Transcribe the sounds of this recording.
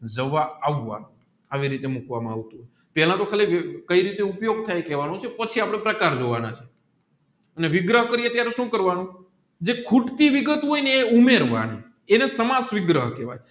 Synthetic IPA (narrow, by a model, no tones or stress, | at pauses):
d͡ʒəʋaaʋːa̰n | aʋiɾit̪emukʋamãaʋt̪ũɦoj | pɛlãt̪okʰalikəiɾit̪eupjoɡ̚t̪ʰajkɛʋanũt͡ʃʰepət͡ʃʰiapɽ̃ẽpɾəkaɾd͡ʒoʋana̰t͡ʃʰe | əneʋɪɡɾəɦkəɾiət̪jaɾeʃũkəɾʋanũ | d͡ʒekʰuʈt̪iʋɪɡət̪ɦojneːumeɾʋa̰nḭ | enesəmasʋɪɡɾəɦkɛʋa̰j